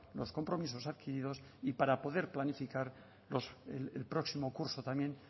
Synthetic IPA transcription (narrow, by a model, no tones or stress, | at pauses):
lo̞sko̞mpɾo̞mis̬o̞saðkiɾiðo̞s | ipaɾapo̞ðe̞ɾplanifikaɾ | lo̞selelpɾo̞ksimo̞kuɾso̞t̪amjẽ̞n